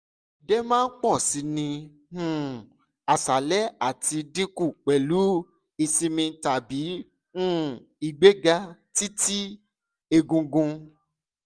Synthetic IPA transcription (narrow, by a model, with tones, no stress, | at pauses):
dɛ˦mãː˦k͡pɔ˦˨si˧˦nĩ˧ | ũ˦ | a˨sa˨lɛ˦a˦˨ti˧dĩ˦ku˦˨k͡pɛ˨lu˨˦ | i˧sĩ˧mĩ˧ta˨bi˨˦ | ũ˦ | i˨ɡ͡be˦ɡa˧˦ti˦ti˦ | e˧ɡũ˧ɡũ˧